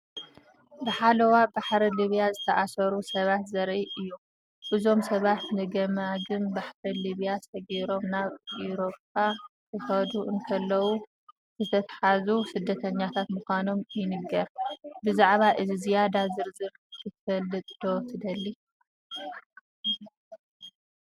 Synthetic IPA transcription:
bɨħalɐwabaħɾiliβijazɨt̪ʰɐʔasɐɾusɐβat̪zɐɾʔiʔɨjːu | ʔɨzo̞msɐβat̪nɨɡɐmaɡɨnbaħɾiliβijasɐɡiɾo̞mnaβʔiɾo̞p̚ʰakʰɨxɐd̪uʔɨnt̪ʰɐlːɐwu | z̥ɨt̪ʰɐt̪ʰħazusɨd̪ːɐt̪ʰɐɲːat̪ʰat̪muxʷano̞mjɪnɨɡːɐɾbɨzaʕβaʔɨzizijad̪azɨɾzɨβ | kʰɨt̪ʰfɐlːɨt̪ʼd̪̥ot̪ʰɨd̪ɐlːi

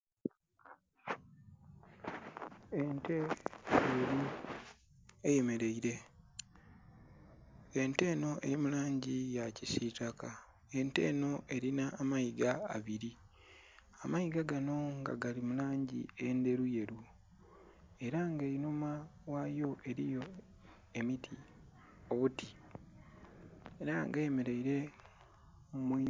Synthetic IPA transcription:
ente̞eɾu | e̞je̞me̞ɾe̞iɾe̞ | ente̞ːno̞ʔemulaːɲɟijacisitaka | e̞nte̞̰ːno̞ʔe̞ɾinaːmaiɡaa̰βiɾi | amaiɡaɡano̞ŋɡa̰ɡalimulaːɲɟḭende̞ɾuje̞ɾu | e̞ɾaŋɡeinumawajo̞ʔe̞ɾijo̞ | e̞mitʰi | o̞βutʰi | eɾaŋɡemeɾeiɾe̞ | mi

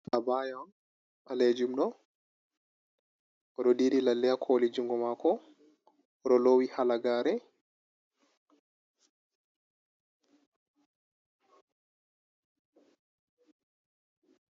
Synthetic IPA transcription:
abajam | ʔaled͡ʒumɗɔ | ʔɔɗɔdiɾilalːɛjakʰolid͡ʒuŋɡɔmakʰɔ | ɗɔlowihalaɡaːɾɛ

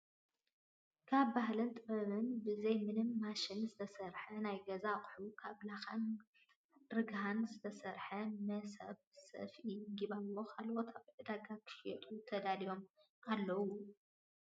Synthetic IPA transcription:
kʰaβbaɦlɨnt̪ʼɨβɐβɨnbɨzɐjmɨnɨmːaʃɪnzɨt̪ʰɐsɐɾħɐnajɡɐzakʼħukʰaβlaxan | ɾɨɡɦanzɨt̪ʰɐsɐɾħɐmɐsɐ̰βsɐ̰fiɡiβalːo̞kʰalwot̪ʰaβʕɨd̪aɡakʰɨ̥ʃjɛt̪ʼut̪ʰɐd̪alijo̞m | alːɐwu

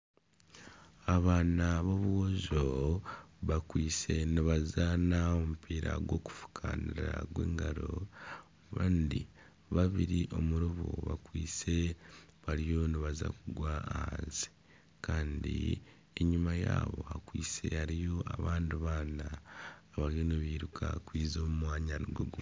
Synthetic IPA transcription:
aβaːnaβo̞βuɣozo | βakwiːse̞niβazanaomupʰiːɾaɡwo̞ːku̥fu̥kʰaniɾa̰ɡwḛːŋɡaɾo̞ | βandi | βaβiɾiʔo̞muɾuβṵβa̰kwiːt͡se̞ | βaɾijo̞niβaza̰kuɡwaːhaːnzi̥ | kaːndḭ | eɲumajaːβo̞̰hakwiːt͡se̞haɾijo̞ʔaβaːndiβaːnaːβaɾijo̞niβiːɾukʰakwiːzo̞ːmumwaːɲaniɡweɡu

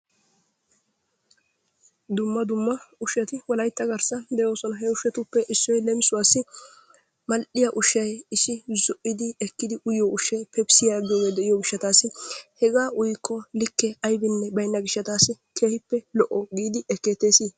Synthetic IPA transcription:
d̪ʊmːɐd̪ʊmːɐʊʃjɐt̪ɪwɔlɐjt̪ːɐɡɐɾsɐd̪ɛjo̞ːsɔnɐɦɛʊʃɛt̪ʊpːɛʔɪsːɔjlɛmɪsʊwaːsːɪ | mɐlʔɪjɐʔʊʃɐjɪsːɪzɔʔɪd̪ɪɛkːɪd̪ɪʔʊjoʊʃɛjpʰɛb̥sɪjaɡɪjoːɡeːd̪ɛʔɪjoɡɪʃːɐt̪aːsːɪhɛɡaːʔʊjkʰːɔlɪkːɛɐjbɪnːɛbɐjnːɐɡɪʃːɐt̪aːsːɪkʰe̞ːhɪpːɛlɔʔɔɡiːd̪ɪɛkːeːt̪ːeːsiː

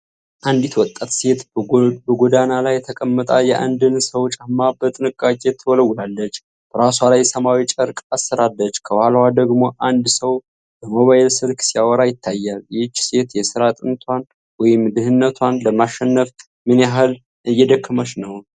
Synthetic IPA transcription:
ʔand̪jit̪wɔt̪ʼːat̪se̞t̪bəɡod̪analajt̪ʰəkʼəmːət̪ʼajɛʔa̰nd̪ɨnsəwt͡ʃʼamːabət̪ʼɨnɨkʼːakʼet̪ʰəwɔləwːlalːət͡ʃː | b̥əɾaswalajsəmawit͡ʃʼəɾkʼasːəɾalːət͡ʃːkʰəwhalwad̪əɡmo̞ʔand̪səw | bəmo̞βajɛlsɨɾkʰsijawɔɾajɪt̪ʰːajːaljɪt͡ʃːse̞t̪jɛsɨɾat̪ʼɨnt̪ʰwan | wɔjɪmd̪ɨɦɨnːət̪ʰwanləmaʃːɛnːəf | mɨnjaɦɨl | ɨjːɛd̪əkʰːəmət͡ʃnəwn

